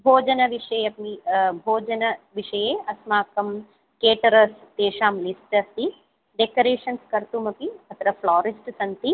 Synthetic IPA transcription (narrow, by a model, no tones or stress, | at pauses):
bʱoːd͡ʒɐnɐʋiʂɐjɐpmibʱoːd͡ʒɐnɐʋiʂɐjeːɐsmaːkɐm | keːʈɐɾɐst̪eːʂaːmlisʈɐst̪i | ɖekɐɾeːʂɐnskɐɾt̪umɐpiɐt̪ʰɐɾɐflaːɾisʈsɐnt̪i